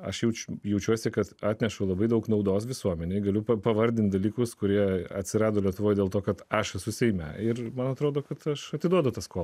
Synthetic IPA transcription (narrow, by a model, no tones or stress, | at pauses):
ɐ̰ʃjɛʊt͡ʃʲjɛʊt͡ʃʲuɔsʲɪkɐt̪ɑːt̪ʲnʲɛʃʊlˠɐbɐɪd̪ɐʊknɐʊd̪oːsʋʲɪsuɔmʲɛnʲeɪɡɐlʲʊpɐpɐʋɐɾʲd̪ʲɪnt̪̚ʲd̪ɐlʲiːkʊskʊɾʲiɛɐt̪ʲsʲɪɾɑːd̪oːlʲiɛt̪ʊʋoːjd̪ʲeːlˠt̪oːkɐt̪ɐʃɛsʊsʲɛɪmʲɛ̰ɪɾmɐnɐt̪ɾoːd̪oːkɐt̪ɐʃɐt̪ʲɪd̪uɔd̪ʊt̪ɐskoː